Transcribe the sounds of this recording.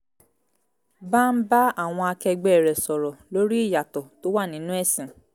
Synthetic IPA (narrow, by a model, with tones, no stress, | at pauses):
ba˦˨m̩˦ba˦a˦˨w̃ɔ̃˧a˧kɛ˧ɡ͡bɛ˨ɾɛ˨sɔ˨ɾɔ˨lo˦ɾi˦i˦˨ja˨tɔ˨to˦wa˦˨nĩ˨˦nũ˦ɛ˦˨sĩ˨